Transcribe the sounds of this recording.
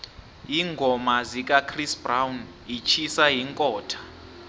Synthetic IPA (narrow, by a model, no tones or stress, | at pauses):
iŋɡʱɔmazik̬ʼakʰrisbrawn | it͡ʃʰisaɦiŋkʼɔːtʰḁ